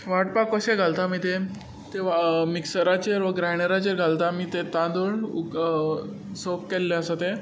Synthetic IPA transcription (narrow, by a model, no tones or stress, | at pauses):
ʋaʈpakəɕeɡʱalt̪amiːt̪e | t̪eʋamiksəɾat͡ɕeɾʋəɡɾajɽ̃eɾat͡ɕeɾɡʱalt̪amiːt̪et̪ãd̪oɭu | sokːelːẽəsat̪e